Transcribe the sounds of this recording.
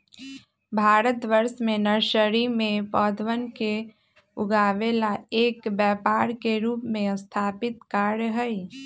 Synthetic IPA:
bʱaːɾət̪ʋəɾʃmẽnəɾʃəɾimẽpɔːd̪ʋənke | ʊɡaːʋelaeːkbjɛːpaːɾkeɾuːpmẽəst̪ʰaːpɪt̪kaːɾjɦəi

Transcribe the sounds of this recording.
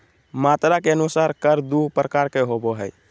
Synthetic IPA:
mat̪ɾakeənusaɾkəɾd̪upɾəkaɾkeɦoboɦəj

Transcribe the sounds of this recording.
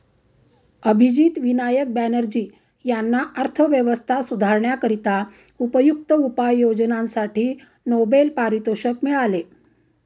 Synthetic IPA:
əbʱid͡ʑiːt̪ʋinajək̚bænəɾd͡ʑiː | janːaʔəɾt̪ʰəʋjəʋəst̪ʰasud̪ʱaɾɳjakəɾit̪a | upəjukt̪əupajːod͡ʑnãnsaʈʰiː | nobelpaɾit̪oɕəkmiɭale

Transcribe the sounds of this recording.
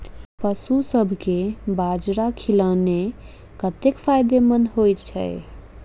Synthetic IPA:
pəsusəbʱkebad͡ʒɾakʰiləne | kət̪ekpʰajd̪emənd̪ɦojt͡ʃʰɛ̰ɪ

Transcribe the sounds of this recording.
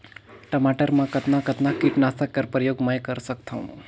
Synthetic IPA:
ʈəmaʈəɾmãkət̪nakət̪nakiʈnasakːəɾpɾəjoɡməjkəɾsəkt̪ʰəũ

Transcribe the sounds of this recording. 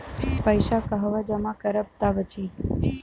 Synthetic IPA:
pəjʃakəɦʋad͡ʒəmãkəɾəp̚t̪abət͡ʃʰi

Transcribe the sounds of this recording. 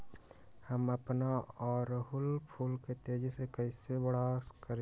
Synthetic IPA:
həməpnaɔːɾɦʊlpʰuːlket̪eːd͡ʒsekəɪsebəɽaskəɾ

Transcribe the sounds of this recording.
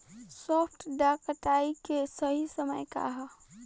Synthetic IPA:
sopʰʈɖakəʈaːikesəɦisəməjka̰ɦ

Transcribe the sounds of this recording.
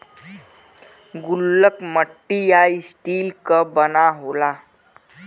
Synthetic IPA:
ɡulːəkməʈːijajisʈilkəbənaɦola

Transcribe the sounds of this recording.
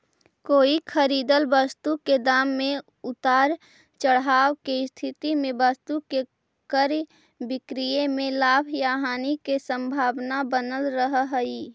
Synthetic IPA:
koːikʰəɾiːd̪əlbəst̪uked̪aːmːẽ | ʊt̪aːɾ | t͡ʃəɽ̤ɦaːwkeɪst̪ʰɪt̪imẽbəst̪uke | kəɾ | bɪkɾijemẽlaːbʱjaːɦaːnikesə̃mbʱaːbnabənəlɾəɦɦiː

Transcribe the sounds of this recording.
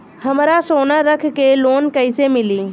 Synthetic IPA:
həmɾasoːnaɾəkʰkeloːnkəɪsemɪliː

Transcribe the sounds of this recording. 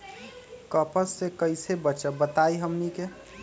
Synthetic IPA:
kəpəsːekəɪsebətːʃəbət̪aiɦəmnike

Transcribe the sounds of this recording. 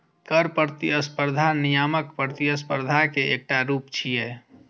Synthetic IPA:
kəɾpəɾt̪iəspəɾd̪ʱanijaməkpəɾt̪iəspəɾd̪ʱakeek̚ʈaɾupt͡ʃʰijɛ

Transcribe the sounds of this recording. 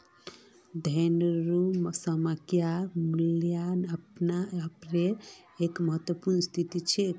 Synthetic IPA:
d̪ʱəjnəɾumsəməkjamuljanəpnaəpɾe | ekməɦət̪wəpuɾnəst̪ʰit̪it͡ʃʰe

